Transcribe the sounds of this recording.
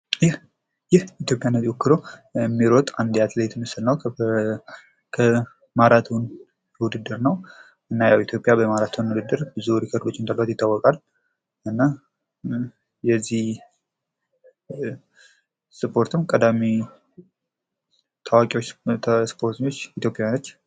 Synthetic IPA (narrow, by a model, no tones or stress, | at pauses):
jɪh | jɪhit̪jo̞pʼjanːət̪iwokʰːɨɾoɛmːiɾot̪ʼand̪jat̪lejt̪ʰɨmɨsɨlnəw | kʰə | maɾat̪ʰun | wud̪ɨd̪ːɨɾnəw | ʔɨnːajawit̪ʰjo̞pʼjabəmaɾat̪ʰunwud̪ɨd̪ːɨɾbɨzuɾikʰəɾd̪ot͡ʃːɪnt̪ʰʼalwat̪jɪt̪ːawːɔkʼal | ʔɨnːa | jɛzːih | sɨpʰʼo̞ɾt̪ʰɨmkʼəd̪ami | t̪ʰawakʼiwot͡ʃ̪ːʰspʰo̞ɾt̪ʰɨɲːo̞t͡ʃːit̪ʰjopʼjanət̪ː